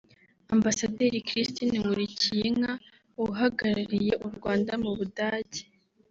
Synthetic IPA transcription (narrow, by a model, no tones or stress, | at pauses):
ambasadeɾikɾistiniŋɡuɾicijeŋa | uɦaɡaɾaɾije̞ʔuɾɡwaːndamuβudaːɟe̥